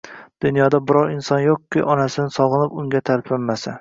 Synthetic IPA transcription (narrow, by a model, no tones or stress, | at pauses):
d̪̥ʊnjɒd̪abɪɾɒɾɪnsɒnjoqkʲːɪ̰ʔɒnasɪnɪsɒʁɨnɪpʊŋʲat̪ʰalpʰammːasa